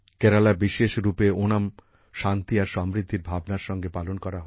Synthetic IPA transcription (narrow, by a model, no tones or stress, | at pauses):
kɛɾalabiʃeʃɾupeonam | ʃant̪iaɾʃɔmɾid̪ʱːiɾbʱabnaɾʃɔŋɡepalonkɔɾaɦɔ